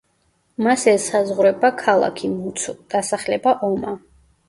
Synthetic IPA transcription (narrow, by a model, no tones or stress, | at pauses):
masɛsazʁɾɛbakʰalˠa̰kʰimut̪sʰd̪̥asaχlɛbaʔɔma